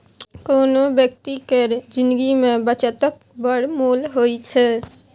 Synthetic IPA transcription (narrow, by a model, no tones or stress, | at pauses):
koːnobjək̚t̪ikeɾd͡ʒɪ̃nd̪ɡimẽbət͡ʃət̪ək̚bəɽmuːlɦoit͡ʃʰɛ